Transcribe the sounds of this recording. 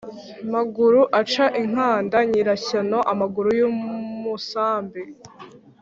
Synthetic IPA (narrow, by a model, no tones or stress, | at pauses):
maɡuɾuʔat͡ʃaʔiŋ̥aːndaɲiɾaɕano̞ʔamaɡuɾujuːmusaːmbe